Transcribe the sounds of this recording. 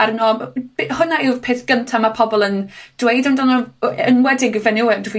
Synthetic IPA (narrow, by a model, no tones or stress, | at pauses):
arnɔb̥hʊnaɪwv̥pʰeːθɡ̥əntʰamapʰɔbɔlˠənd̥wejdandɔnɔənwɛdɪɡvɛnɪwɛdvi